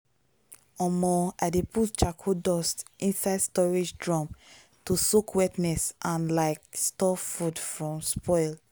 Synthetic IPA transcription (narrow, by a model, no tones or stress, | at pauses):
ɔmɔaɪdeputt͡ʃakʰodɔstĩnsaɪdstɔɹed͡ʒdɹɔ̃m | tusokwɛtnɛsʔãnlaɪkstɔfudfɹɔ̃mspʰɔɪl